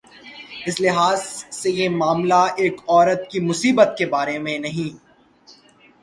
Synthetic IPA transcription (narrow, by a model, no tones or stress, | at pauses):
ɪslɪɦaːzsejemaːmlaeːkɔːɾət̪̚kimʊsiːbət̪̚kebaːɾemẽnɐɦĩː